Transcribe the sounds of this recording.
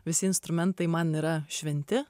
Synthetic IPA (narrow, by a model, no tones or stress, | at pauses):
ʋɪsɪɪnst̪ɾʉmɛnt̪iːmɑnəɾɑʃʋɪnʲt̪ʲɪ